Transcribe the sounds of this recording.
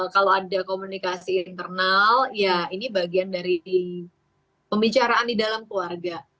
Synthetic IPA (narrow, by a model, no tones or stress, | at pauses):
kaloadakomunikasiːnt̪ərnaljainibaɡiandaɾii | pəmbit͡ʃaɾaːndidalamkluarɡa